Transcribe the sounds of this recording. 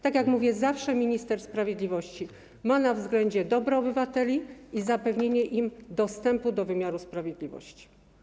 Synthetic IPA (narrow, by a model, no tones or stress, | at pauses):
t̪akjakmuvʲjɛzafʂɛmʲiɲist̪ɛɾspɾavʲjed̪lʲivɔɕt͡ɕi | manavzɡlɛɲd͡ʑɛd̪ɔbɾɔɔbɘvat̪ɛlʲiizapɛvɲeɲɛʔimd̪ɔst̪ɛmpud̪ɔvɘmʲjaɾuspɾavʲjed̪lʲivɔ̰ɕt͡ɕi̥